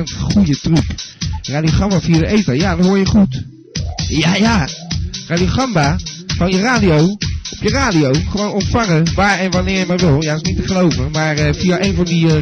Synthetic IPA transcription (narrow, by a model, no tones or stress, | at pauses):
ənχujətrypraːdioχɑmbafiadəʔejtajadɔtɦoːjəχut | jaja | raːdioχɑmbafɑnjəraːdiowɔpjəraːdiowχəʋonɔntfɑŋəʋaːɹɛnʋanɪːɹjəmaʋɪlˠjaɪsnitəχəlowvəmaːɹəfiaʔejnvɑndi